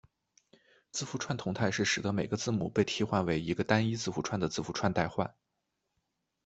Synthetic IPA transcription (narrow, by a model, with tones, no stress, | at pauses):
t͡sɹ̩˥˩fu˧˥ʈ͡ʂʰwa˥˩nt̪ʰʊ˧˥ŋt̪ʰa˥˧ɪʂɻ̩˥˩ʂɻ̩˨˩d̪ə˦me˨˩ɪɡə˦t͡sɹ̩˥˩mṵ˨˩pe˥˩ɪt̪ʰi˥xwa˥˩nwe˧˥ɪi˧˥ɡə˧t̪a˥ni˥t͡sɹ̩˥˩fu˧˥ʈ͡ʂʰwa˥˩nd̪ə˩t͡sɹ̩˥˩fu˧˥ʈ͡ʂʰwa˥˧nt̪a˥˧ɪxwa̰˥˩n